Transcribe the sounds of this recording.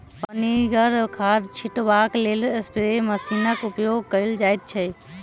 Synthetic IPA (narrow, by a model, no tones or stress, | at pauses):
pəniɡəɾkʰaɾt͡ʃʰiʈbaklelspɾeməsinəkupjoɡ̚kəjld͡ʒajt̪̚t͡ʃʰɛ